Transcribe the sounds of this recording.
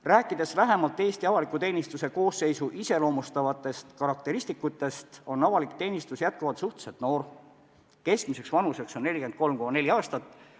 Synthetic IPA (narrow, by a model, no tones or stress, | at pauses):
ræːkːˑid̪̥e̞svæɦemɑlt̪ːˑe̞ːst̪iɑvɑlikːˑut̪e̞ːnist̪use̞ko̞ːsːe̞jsuʔise̞lo̞ːmust̪ɑvɑt̪ːˑe̞st̪kɑɾɑk̚t̪e̞ɾisʲt̪ikːˑut̪ːˑe̞st̪o̞nːɑvɑlikt̪e̞ːnist̪usjæt̪̚kuvɑt̪suht̪e̥set̪no̞ːr | ke̞sk̚mise̞ksvɑnuse̞ksonːe̞lʲike̞nd̪̚ko̞lmkomɑne̞lʲiɑːst̪ɑt̪ːˑ